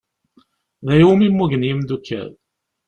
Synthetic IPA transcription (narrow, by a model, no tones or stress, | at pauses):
ðæjumimːuʝənjimd̪ukʰːæ̰ð